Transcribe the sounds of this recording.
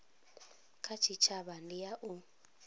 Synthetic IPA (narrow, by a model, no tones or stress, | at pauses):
kʰat͡ʃʰit͡ʃʰaβandijaʔu